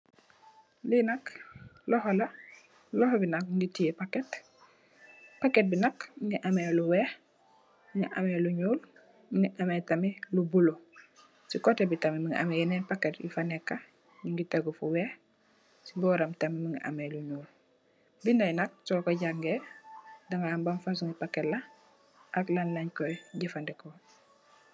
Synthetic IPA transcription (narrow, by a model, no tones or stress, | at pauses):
linaklɔɦolɐ | lɔhobinakŋɡitiepaket | paket̚binakiŋɡiʔameluweh | iŋiʔa̰meluɲuːl | ŋɡiʔametamilubulo | sikotebitamimiŋiʔa̰mejinenpakːetjṵfanekːa | ɲiŋɡiteɡufuweːh | sibɔːɾamtɐmimiŋɡiʔa̰meluɲuːl | bindajnɐk̚sɔːkoɟaŋɡe | daŋɡaambamfas̬uŋipakːetla | ʔaklanlɐɲkoɟifandeko